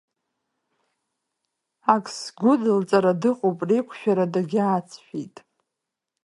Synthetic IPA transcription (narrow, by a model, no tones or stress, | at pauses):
akʰʼsɡʷʊdɨlt͡sʼaɾadɨqʼopʼrikʷʰʃᶣaɾadaɡʲat͡sʰʃᶣitʼ